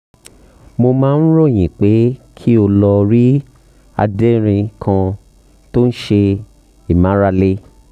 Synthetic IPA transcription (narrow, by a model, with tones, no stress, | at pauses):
mo˧mãː˨˦n̩˦ɾo˦˨j̃ĩ˨k͡pe˨˦kʰi˦o˧lɔ˧ɾi˦ | a̰˧de˦ɾ̃ĩ˧kʰã˧ | to˦ñ̩˦ʃe˧ | i˨mã˨˦ɾa˧le˦